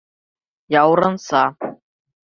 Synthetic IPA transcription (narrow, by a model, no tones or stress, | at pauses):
jawɾənsa